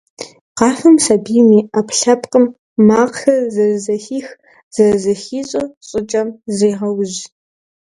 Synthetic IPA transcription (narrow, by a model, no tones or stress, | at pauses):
qɑːfɐmsɐbiːmiːapɬɐpʼqʼəmː | aːqxɐzɐrɨzɐxiːx | z̥ɐrɨzɐxiːɕʼɐɕʼɪt͡ʃʼɐmzeːʁɐwʑ